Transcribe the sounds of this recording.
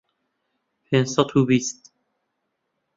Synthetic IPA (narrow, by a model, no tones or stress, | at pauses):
fensɑt̪ʰubist̪